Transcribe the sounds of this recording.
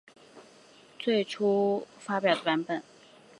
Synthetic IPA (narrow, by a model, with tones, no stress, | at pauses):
t͡swe˥˩ɪʈ͡ʂʰu˥ | fa˥pjɑ˨˩ʊd̪ə˦pa˧˥npə˨˩˦n